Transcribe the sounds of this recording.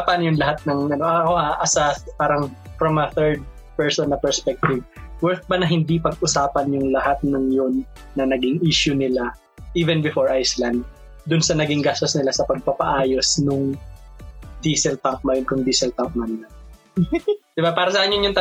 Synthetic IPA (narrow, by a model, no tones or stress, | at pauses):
pɐnjʊŋlɐɦat̪̚nɐŋʔɐno̞ʔɐɐkoaʔɐsɐpaːɾɐŋfɾɐmɐθɛɹd̪̚ | pɛɹsɔnːɐpɛɹspɛk̚t̪ɪvwɛɹt̪̚bɐnɐɦɪnd̪ipɐɡ̚ʔʊsaːpɐnjʊŋlɐhat̪̚nɐŋjonː | ɐnɐɡɪŋʔiːʃʊnɪla | ʔiːvɛnbɪfoɹʔajslɐnd̪̚ | d̪ʊnsɐnɐɡɪŋɡaːst̪osnɪlasɐpɐɡ̚pɐpɐʔaːjosnʊŋ | d̪iːsɛlpaŋk̚mɐjonkʊŋd̪iːsɛlp̪aŋk̚mɐnɪla | d̪ɪbapaːɾɐsɐʔanjʊnjʊŋt̪ɐ